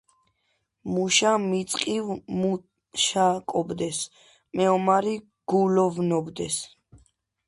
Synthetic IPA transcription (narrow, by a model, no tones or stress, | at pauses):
muʃamit̪sʼqʼivmu | ʃakʼɔbd̪ɛs | mɛɔmaɾi | ɡ̥ulɔvnɔbd̪ɛs